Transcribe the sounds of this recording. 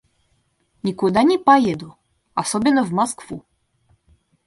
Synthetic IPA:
ɲʲikud̪anʲipajɛd̪u | asɔbʲɛnɔvmɔskfu

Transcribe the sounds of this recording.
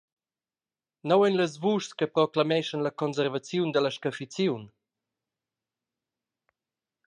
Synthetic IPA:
nowɛnləs̬vuʃskəpɾɔklamɛʃənləkɔns̬əɾvat͡sjund̪ələʃkafit͡sjun

